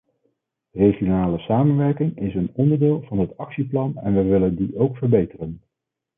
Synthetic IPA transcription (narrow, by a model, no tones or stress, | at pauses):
reχijonaːləsaːmənʋɛɹkɪŋɪsənɔndəɹdɪːlˠvɑnɦətɑksiplɑnɛ̰nʋəjʋɪləndiʔowkfəɹbejtərən